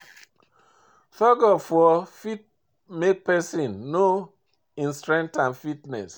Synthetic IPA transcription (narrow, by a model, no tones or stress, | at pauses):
fɔɡɔfɔfit̚ | mek̚pɛsĩnːo | ĩnstɹɛ̃ŋk̚tãnfitnɛ̰s